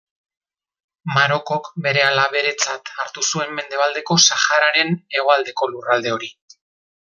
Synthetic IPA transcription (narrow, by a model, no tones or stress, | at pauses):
maɾo̞ko̞kbe̞ɾe̞alaβ̞e̞ɾe̞t͡sat̪aɾt̪usue̞mːe̞nd̪e̞β̞ald̪e̞ko̞saxaɾaɾe̞ne̞ɣ̞o̞ald̪e̞ko̞lurald̪e̞o̞ɾi